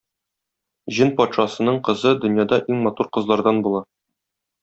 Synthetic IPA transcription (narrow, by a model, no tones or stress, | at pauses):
ʑinpɒt̪ʃɑsɤ̆nɤɴqɤ̆zɤd̪ɵ̆njɑd̪ɑʔiŋmɒt̪uɾqɤ̆zlˠɑɾd̪ɑnbulˠɑ